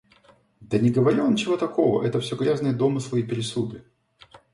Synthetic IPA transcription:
d̪ənʲɪɡəvɐɾʲiont͡ɕɪvo̞t̪ɐko̞və̰ʔɛt̪əfsʲoɡɾʲaznɨjəd̪o̞mɨslˠɨipʲɪɾʲɪsud̪ɨ

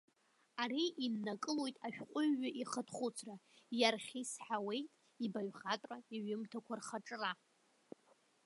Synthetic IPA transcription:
aɾiʔinːakʼɨlo̞jtʼaʃᶣqʷʼʊɥːaʔiχətʰχʷʊt͡sʰrajarχʲisħawe̞jtʼ | ibaɥʁatʼraiɥʊmtʰakʷʰarχaʈ͡ʂʼra

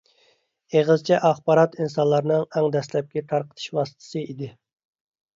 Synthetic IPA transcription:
eʁəzt͡ʃʰɛʔɑχbɑɾɑt̪insɑnlˠɑɾnɨŋæŋd̪ɛslɛp̚kʲɛt̪ʰɑɾqʰə̥t̪ʰɨ̥ʃwɑːsə̥t̪ʰɨ̥sɨid̪ɪ

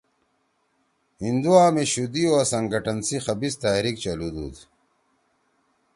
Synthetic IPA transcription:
hind̪uaːmeɕud̪ioasɐŋɡɐʈɐnsixɐbist̪aːɾikt͡ɕɐlud̪ṵːd̪

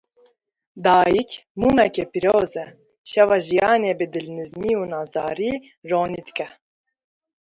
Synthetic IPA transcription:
d̪ɑːjikmumɛkepiɾoːzɛ | ʃɛvɑʒijɑːnebɪd̪ɪlnɨzmiunɑzɑːɾi | roːnit̪kɛ

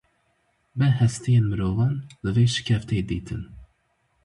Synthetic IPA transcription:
bɛhɛst̪ʰijeːnmɨɾoːvɑːnd̪ɨveːʃɨ̥kʲʰɛft̪ʰeːd̪iːt̪ʰɨn

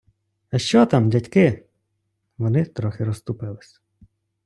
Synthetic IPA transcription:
ɐʃt͡ʃɔt̪ɑmdʲɐtʲkɪ | ʋɔnɪt̪ɾɔxɪɾɔst̪ʊpɪlˠɪsʲ

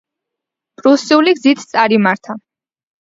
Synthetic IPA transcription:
pʼɾusiuliɡzit̪ʰt̪sʼaɾimaɾt̪ʰa

